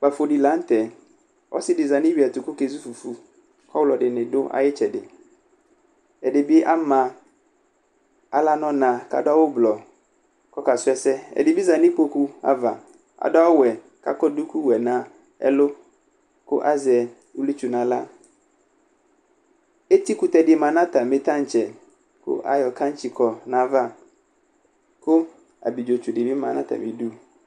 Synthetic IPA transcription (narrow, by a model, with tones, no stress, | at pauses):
k͡pa˨fo˨di˨la˨˦n̩˦t̪ɛ˨ | ʔɔ̰˦sɪ˦dɪ˨za˨nɪ̃˦ɥi˨a˨t̪ʊ˨kʊ˦ke˨zu˦fu˨fu˨ | kɔ˦wlɔ˨dɪ˨nɪ̃˨dʊ˦ʔa̰˦jɪ˦t͡ʃɛ˨dɪ˨ | ɛ˨dɪ˨bɪ˦ʔa˦mã˨ | a̰˨la˦nɔ̃˦nã˨ka̰˨dʊ˦a˦wʊ˦blɔ˨ | kɔ˦ka˨sʊ˦ɛ˦sɛ˦ɛ̰˨dɪ˨bi˦za˨nɪ̃˦k͡po˦ku˦a̰˨va̰˨ | a̰˨dʊ˦a˦wʊ˦wɛ˨ | ka̰˦kɔ˦du˦ku˦wɛ˨nã˨˦ | ɛ̰˦lʊ˦ | kʊ̰˦ʔa˦zɛ˨ | u˦li˦t͡ʃu˨nã˨la̰˦ | e˦ti˦ku˨tɛ˨dɪ˨mã˨nã˦ta˨mɪ̃˨t̪ã˦n̩˨t͡ʃɛ˨ | kʊ̰˦ʔa̰˨jɔ˨kã˦n̩˦t͡ʃi˨kʰɔ˨nã˨˦va˦ | kʊ˦ | a̰˨bi˨d͡ʒo˨t͡ʃu˨dɪ˨bi˦mã̰˨nã˦ta̰˨mĩ˨du˦